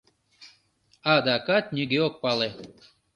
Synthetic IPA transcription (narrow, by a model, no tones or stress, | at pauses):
ɑd̪ɑkat̪̚nʲiɡʲeok̚pɑle